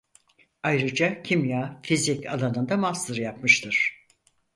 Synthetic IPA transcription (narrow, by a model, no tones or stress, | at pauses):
ajɾɯd͡ʒacʰimjaːfizika̰lˠanɯnd̪amasɯɾjapmɯʃt̪ʰɯɾ̥